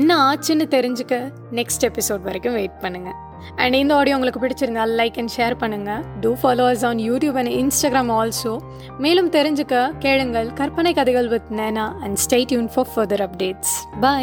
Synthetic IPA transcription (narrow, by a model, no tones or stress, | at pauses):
nːaaːt͡ʃːɯnːɯt̪ɛɾɪɲd͡ʒɯkːɐ | nɛksʈɛpɪsoːɖʋɐɾɛkːɯmʋeːʈ̚pɐɳːɯŋɡɐ | ɐ̰̃ɳɖɪnd̪ɐaːɽɪjõʊŋɡɐɭɯkːɯpɪɽɪt͡ʃːɪɾɯnd̪aːlɐɪkːɛ̃nʃeːɐɾpɐɳːɯŋɡɐɖufaːloːɐs̬ɔːnjuːʈjuːbɐ̃nɪnsʈaːɡɾaːmɔːlsoː | meːlɯmt̪ɛɾɪɲd͡ʒɯkːɐkeːɻɯŋɡɐɭkɐɾpɐnɐɪkːɐðɐɪɣɐɭʋɐt̪neːnaːʔɐ̃ɳɖsʈeɪʈjuːnfɔːfɐɾd̪ɐɾɐpɖeːʈsba